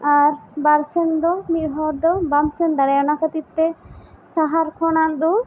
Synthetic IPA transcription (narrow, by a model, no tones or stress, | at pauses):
aɾbaɾsɛnd̪ɔmit̪̚ɦɔɾd̪ɔbamsɛnd̪aɾɛjɔnakət̪it̪ːɛsaɦaɾkʰɔnand̪ɔ